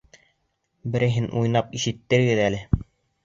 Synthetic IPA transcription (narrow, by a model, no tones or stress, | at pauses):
bɘ̆ɾɘ̆ɦɘnʔujnɑpiʃɘ̆t̪ːɘ̆ɾɡɘðælɘ